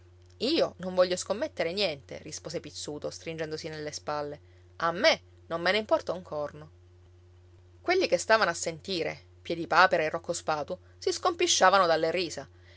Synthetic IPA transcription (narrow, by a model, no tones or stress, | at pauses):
iːonoɱvɔʎːoskomːet̪ːeɾenjɛnt̪ḛrispoːsepit̪sːuːt̪ost̪ɾind͡ʒɛnd̪osinelːespalːe | amːe | nomːeneimpɔrt̪auŋkʰɔrno | kwelːikest̪aːvanoasːent̪iːɾḛ | pjɛd̪ipaːpeɾaerːokːospaːt̪u | siskompiʃːaːvanod̪alːeriːza